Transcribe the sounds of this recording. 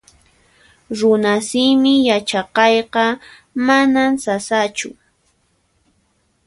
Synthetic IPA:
ɾʊnasɪmɪjat͡ʃɑqɑjqɑ | manamsasat͡ʃʊ

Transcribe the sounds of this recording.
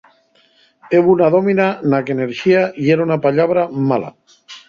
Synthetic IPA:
eβunaðominanakeneɾʃiaieɾaunapaʎaβ̞ɾamala̰

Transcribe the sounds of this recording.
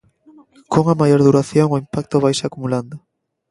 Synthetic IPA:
koŋamajoɾðuɾaθjoŋoimpak̚t̪ʊβajʃakumuland̪ʊ

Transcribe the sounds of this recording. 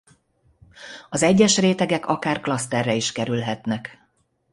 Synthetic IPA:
ɒzɛɟːɛʃreːt̪ɛɡɛkɒkaːrklɒst̪ɛrːɛiʃkɛɾylɦɛt̪nɛk

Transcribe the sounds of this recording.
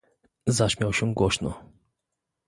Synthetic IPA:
zaɕmʲjawɕɛ̃ɡwɔɕnɔ̰

